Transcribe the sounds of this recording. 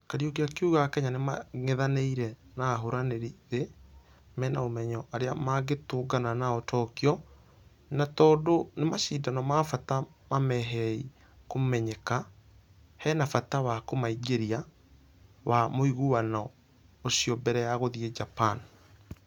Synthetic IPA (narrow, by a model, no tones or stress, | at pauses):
kaɾiokeakeuɣakɛɲanemaŋeðaneiɾɛnaːɦoɾaneɾiðe | mɛnaomɛɲɔʔaɾeamaɡetoːɡananaɔtʰɔkiɔ | natɔːdonemaʃidanɔmafatamamɛɦɛi | komɛɲɛka | hɛnafatawakomaiɡeɾia | wamoiɣuwana | osiɔbɛɾɛjaɣoðiɛd͡ʒapan